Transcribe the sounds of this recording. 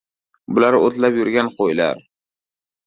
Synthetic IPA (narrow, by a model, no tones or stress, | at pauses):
bʊlaɾot̪lapjʊɾɡʲanqojla̰ɾ